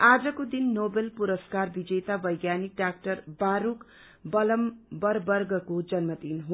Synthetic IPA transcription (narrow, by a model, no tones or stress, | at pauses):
ad͡zʌkod̪inːobelpuɾʌskarbid͡zʌjt̪abʌjɡjanik̚ɖak̚ʈʌrbaɾuk | bʌlʌmbʌrbʌrɡʌkod͡zʌnmʌd̪inɦu